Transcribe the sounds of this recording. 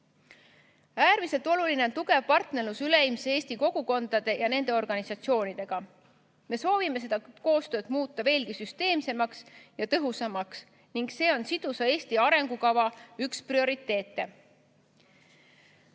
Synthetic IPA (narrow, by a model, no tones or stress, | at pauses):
æːɾmise̞lt̪ˑo̞luline̞o̞nt̪uɡe̞vpɑrt̪nerlusyleimseeːst̪iko̞ɡ̥uko̞nd̪̥ɑd̪̥e̞jɑne̞nd̪̥e̞o̞rɡ̥ɑnisɑt̪sio̞ːnid̪̥e̞ɡ̥ɑ | me̞so̞ːvime̞se̞d̪ɑko̞ːst̪ø̞ːd̪̥muːt̪ːˑɑve̞ːlɡisyst̪e̞ːmse̞mɑksjɑt̪ɤɦusɑmɑks | niŋɡse̞ːo̞nsid̪̥usɑe̞ːsʲt̪iɑɾe̞ŋɡ̥ukɑvɑyksprio̞ɾit̪ːˑe̞ːt̪ːˑe̞